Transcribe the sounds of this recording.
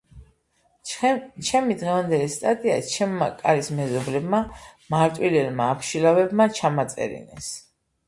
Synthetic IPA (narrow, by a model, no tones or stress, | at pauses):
t͡ʃʰɛmid̪ʁɛvand̪ɛlist̪ʼat̪ʼia̰t͡ʃʰɛmːa̰kʼaɾismɛzɔblɛbmamaɾt̪ʼwilɛlmaːpʰʃilavɛbmat͡ʃʰamat̪sʼɛ̰ɾḭnɛ̰s